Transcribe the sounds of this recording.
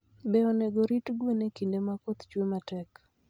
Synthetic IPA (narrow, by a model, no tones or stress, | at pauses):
bɛɔneɡoɾitɡwenekindemakot̪t͡ʃwematɛk